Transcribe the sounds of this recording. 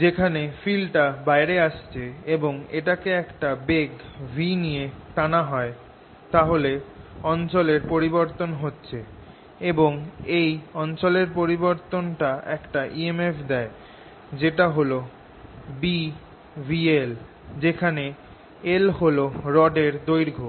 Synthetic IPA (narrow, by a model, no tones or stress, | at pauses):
d͡ʑekʰanefilʈabaeɾeaʃt͡ɕʰeeboŋeʈakeɛkʈabeɡvʱinijet̪anaɦɔe | t̪aɦoleɔnt͡ɕoleɾpoɾiboɾt̪onɦotːɕʰe | eboŋejɔnt͡ɕoleɾpoɾiboɾt̪onʈaɛkʈaʔiemefd̪ɛe | d͡ʑeʈaɦolo | bi | viel | d͡ʑekʰane | elɦoloɾɔɖeɾd̪ojɾɡʱo